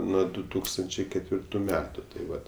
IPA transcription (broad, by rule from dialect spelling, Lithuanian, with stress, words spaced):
ˈnuɔ dʊ ˈtuːkstɐnʲt͡ʃʲɛɪ kʲɛtʲˈʋʲɪrtʊ ˈmʲæːtʊ tɐɪ ˈʋɐt